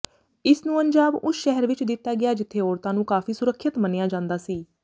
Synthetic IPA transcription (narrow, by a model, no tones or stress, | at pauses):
ɪsnũːəɲd͡ʒaːbʊsʃɛɦəɾʋɪt͡ʃd̪ɪt̪ːaːɡɪjaːd͡ʒɪt̪ʰːeːɔːɾt̪ãːnũːkaːfiːsʊɾəkʰːət̪mənejaːd͡ʒãːnd̪aːsiː